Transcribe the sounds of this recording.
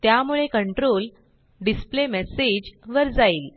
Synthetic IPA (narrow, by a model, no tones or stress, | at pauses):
t̪jamuɭekəɳʈɾol | ɖisplemɛsed͡ʑʋəɾd͡zaiːl